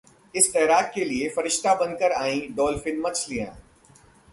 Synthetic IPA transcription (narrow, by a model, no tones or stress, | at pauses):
ɪst̪ɛːɾaːk̪̚keliefɐɾɪʃt̪abɐ̃nkəɾaːĩɖɔːlfɪnmːɐt͡ʃʰlijã̰ː